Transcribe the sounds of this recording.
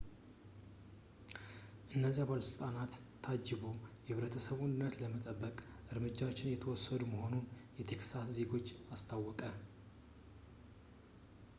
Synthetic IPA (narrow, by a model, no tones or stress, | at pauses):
ʔɨnːəziaβalsɨlt̪ʼanat̪ʰː | ad͡ʒːɪβojɛhɨβɾət̪ʰəsəβʊnd̪ɨnːət̪ləmət̪ʼəbːəkʼ | ʔɨɾmɨd͡ʒːawot͡ʃːɪnjɛt̪ʰəwɔsːəd̪uməho̞nunjɛt̪ʰe̞ksasze̞ɡo̞t͡ʃːast̪ʰawːɔkʼə